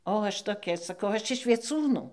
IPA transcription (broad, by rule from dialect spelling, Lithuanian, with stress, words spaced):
oː ˈɐʃ toːˈkʲɛ sɐˈkɐʊ ˈɐʃ ɪʃ ʋʲiɛˈt͡suːnuː